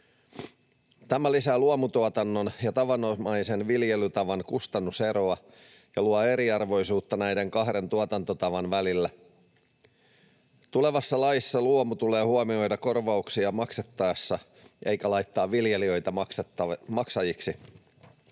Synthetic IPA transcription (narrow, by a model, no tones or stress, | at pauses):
t̪æmælisæːluomut̪uɑt̪ɑnːonjɑt̪ɑʋɑnːomɑjse̞nʋiljelyt̪ɑʋɑnkust̪ɑnːuse̞ɾoɑ | jɑluɑe̞ɾiɑrʋo̞jsuːt̪ːɑnæjde̞ŋkɑɦɾe̞nt̪uɑt̪ɑnt̪ot̪ɑʋɑnʋælilːæ | t̪ule̞ʋɑsːɑlɑjisːɑluomut̪ule̞ːhuomio̞jdɑko̞rʋɑuksiɑmɑkset̪ːɑjɑsːɑ | ʔe̞jkælɑjt̪ːɑːʋʋiljeliø̞jt̪ɑmɑksmɑksɑjiksi